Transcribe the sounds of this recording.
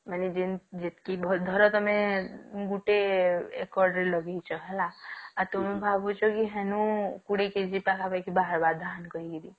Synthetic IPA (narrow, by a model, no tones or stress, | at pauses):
manid͡ʒend͡ʒet̪kibʱd̪ʱɔɾɔt̪ɔmẽɡuʈeekɔɾɖɾilɔɡet͡ʃʰɔɦɛlaat̪omẽbʱabot͡ʃokiɦenũkuɽeked͡ʒipakabekibaɦəɾbad̪d̪ʱankɔiɡid̪i